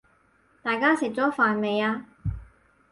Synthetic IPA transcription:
t̪aː˨jkaː˥sɪ˨˩k̚t͡sɔː˨˥faː˨nme˨jaː˧

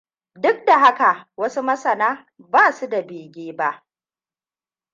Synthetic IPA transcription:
dʊ˦k̚da˨ɦa˦ka˨ʔwɐ˦su˦mɐ˦sɐ˨naː˦ | baː˦˨su˦da˨beː˨ɡʲeː˦ba˦ʔ

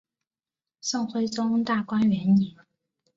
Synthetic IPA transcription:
sɤ˥˩ŋxwe˥ɪt͡sʊ˥ŋt̪a˥˩kwa˥nɥɛ˧˥ni˨˩˦

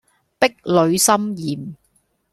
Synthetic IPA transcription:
pɪ˥k̚lɵ˨˧ɥsɐ˥mjiː˨m

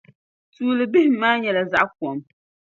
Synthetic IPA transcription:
tuː˦lɨ˨bɪ˦hɪ˦maː˦ɲɛ˨la˨za˦ʔku˨ɔ˨m

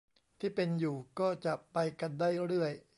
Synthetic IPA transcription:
t̪ʰiː˥˩pe˧njuː˨˩kɔː˥˩t͡ɕa˨˩ʔpa˧jka˧ndaː˥˩jɾɯ˥˩əj

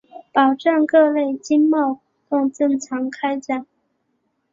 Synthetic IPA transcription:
pɑ˨˩ʊʈ͡ʂɑ˥˧nkɤ˥˧le˥˩ɪt͡ɕi˥nmɑ˥˩ʊxt̪ʊ˥˧ŋʈ͡ʂɤ˥˩ŋʈ͡ʂʰɑ˧˥ŋkʰa˥ɪt͡ɕja˥˩ŋ

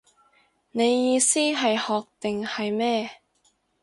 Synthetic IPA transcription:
ne˨˧jːiː˧siː˥ɦɐ˨jhɔː˨k̚t̪ɪ˨ŋhɐ˨jmɛː˥˩

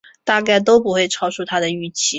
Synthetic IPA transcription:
t̪a˥˧ka˥˩ɪt̪̬o˥ʊpu˨˧˥xwe˥˩ɪʈ͡ʂʰɑ˥ʊʂu˥˩t̪ʰa˥d̪ə˨y˥˩t͡ɕʰi˧˥

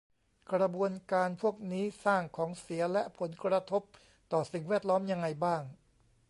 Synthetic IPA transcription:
kɾa˧bu˧ənkaː˧npʰu˥˩ək̚niː˦˥saː˥˩ŋkʰɔː˩˦ŋsi˩˦ɐlɛ˦˥ʔpʰo˩˦nkɾa˧t̪ʰo˦˥p̚ | t̪ɔː˨˩si˨˩ŋwɛː˥˩t̪̚lɔː˦˥mja˧ŋːa˧jbaː˥˩ŋ

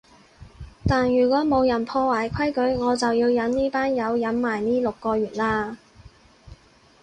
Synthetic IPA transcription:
t̪aː˨njyː˨˩kʷɔː˨˥mo˨˧wjɐ˨˩npʰɔː˧waː˨˩jkʷʰɐ˥jkɵ˨˥ɥŋɔː˨˧t͡sɐ˨wjiː˧wjɐ˨˥nniː˥paː˥njɐ˨˧wjɐ˨˥nmaː˨jniː˥lʊ˨kːɔː˧ɥyː˨˩t̚laː˧

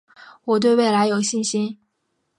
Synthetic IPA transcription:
wɔ˨˩t̪we˥˧ɪwe˥˩ɪla˧˥ɪjo˨˩ʊɕi˥˩nɕi˥n

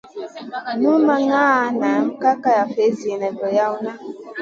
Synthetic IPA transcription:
nu˦ma˨ŋaː˦˨˦na˨ŋ̩˨ka˦ka˦ja˨fe˨˦zi˨e˨nɛ˨vɔ˨ja˦u˦na˦

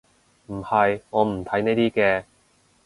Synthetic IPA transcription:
m̩˨˩hɐ˨jŋɔː˨˧m̩˨˩t̪ʰɐ˨˥jneː˥t̪iː˥kɛː˧

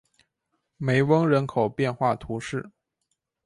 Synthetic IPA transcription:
me˧˥ɪwɤ˥ŋɻə˧˥nkʰo˨˩ʊpjɛ˥˧nxwa˥˩t̪ʰu˧˥ʂɻ̩˥˩

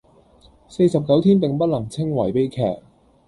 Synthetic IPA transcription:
se˧jsɐ˨p̚kɐ˨˥wt̪ʰiː˥np̪ɪ˨ŋpɐ˥t̚lɐ˨˩ŋt͡sʰɪ˥ŋwɐ˨˩jpe˨˥jkʰɛ̰ː˨˩k̚

